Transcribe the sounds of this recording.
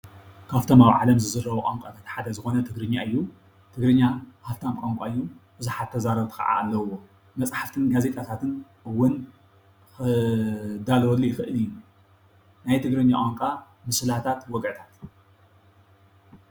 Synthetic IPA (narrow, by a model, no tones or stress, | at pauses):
kʰaft̪ʰo̞maβʕalɐmzɨzɨrːɐβɐʔʼamkʷʼat̪ʰat̪ħad̪ɐzɨxo̞nɐt̪ʰɨɡɾɨɲːaɨjːu | t̪ʰɨɡɾɨɲːahaft̪ʰamkʷʼamkʷʼa̰ɨjːub̥ɨzuħat̪ʰːɐzaɾɐβt̪ʰɨ̥xɐ̰ʕa̰ːlːɐwːo | mɐt͡sʼħaft̪ʰɨnɡazet̪ʼat̪ʰat̪ʰɨnʔɨwːʊn | xɨ | d̪alɔlːijɪxɨʔɨlɨjːu | najt̪ʰɨɡɾɨɲːaʔʼaŋkʼa | mɨsɨlat̪ʰat̪wɔɡʕɨt̪ʰat̪